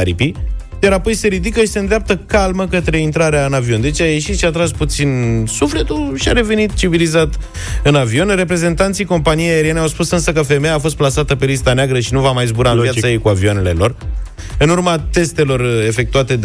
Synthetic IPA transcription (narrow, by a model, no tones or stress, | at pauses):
ɾipi | d̪aɾapo̞jse̞ɾid̪ikəʃi̥se̞ɨnd̪ɾeap̚t̪əkalməkət̪ɾe̞int̪ɾaɾeaɨnavio̞nd̪e̞t͡ʃaje̞ʃit̪ʃiat̪ɾasput̪sinsufle̞t̪ulʃia̰ɾe̞ve̞nit̪t͡ʃivilizat̪ | ɨnavio̞nre̞pɾe̞ze̞nt̪ant̪sijko̞mpanijeaeɾiene̞awspusɨnsəkəfe̞mejaːfo̞st̪plasat̪əpe̞lis̬t̪aneaɡɾəʃinuvamajzbuɾavvjatsajejkuavionele̞lo̞r | ɨnurmat̪e̞st̪e̞lo̞re̞fe̞k̚t̪uat̪e̞